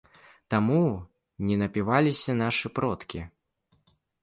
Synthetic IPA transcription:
t̪amu | nʲɛnɐpʲivalʲisʲɐn̪aʂɨpɾɔt̪kʲi

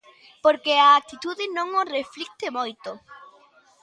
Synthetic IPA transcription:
poɾkeaːk̚t̪it̪uðɪnõŋoreflik̚t̪emojt̪o

